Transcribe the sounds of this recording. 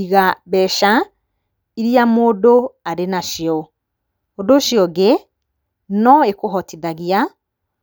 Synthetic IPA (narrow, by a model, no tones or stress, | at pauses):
iɣaβɛʃa | iɾiamoːdoaɾenaʃiɔ | odoʃjɔɡe | nɔekoɦɔtiðaɣia